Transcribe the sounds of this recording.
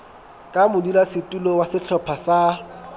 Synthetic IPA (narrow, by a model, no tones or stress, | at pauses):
kʼamʊdilasɪtʼulowasɪɬʰɔpʰasa